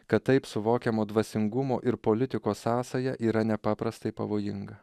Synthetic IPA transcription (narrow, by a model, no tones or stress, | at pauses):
kɐt̪ːɐɪpsʊʋoːkʲɛmoːd̪ʋɐsʲɪŋɡʊmo̰ːʔɪɾpolʲɪt̪ʲɪkoːsɑːsɐjɛʔiːɾɐnʲɛpɑːpɾɐst̪ɐɪpɐʋoːjɪŋɡɐ